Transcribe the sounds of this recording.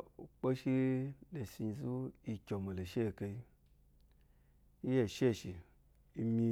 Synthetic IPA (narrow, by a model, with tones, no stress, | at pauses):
u˨k͡po˦ʃi˦ne˨si˧zu˦i˧kʲo˨mi˨lo˨ʃe˦˨ke˧i˧˦ | i˦je˦˨ʃe˦˨ʃi˨ | i˧mʲi˧